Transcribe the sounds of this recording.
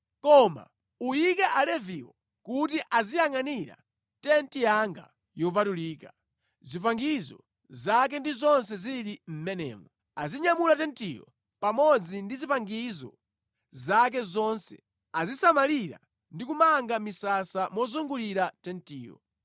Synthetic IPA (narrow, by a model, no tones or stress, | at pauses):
kɔma̰ | ujikɛʔalɛviwɔ | kutiʔazijaŋaniɾa̰ | tɛntijaŋɡa̰ | jɔpatuliːka | zipaŋɡizɔ̰ | zak̬ɛndizɔnsɛziɾim̩mɛnɛ̰ːmɔ | aziɲamulatɛntijɔ̰ | pamɔd͡zindizipaŋɡizɔ̰ | zak̬ɛzɔnsɛ̰ | azisamaliɾa̰ | ndik̬umaŋɡamisasamɔzuŋɡuliɾatɛntiːjɔ̰